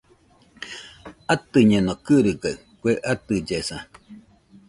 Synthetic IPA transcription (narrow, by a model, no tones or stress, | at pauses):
at̪ɨɲẽnõkɨɾɨɡa | kʷeʔat̪ɨd͡ʒesã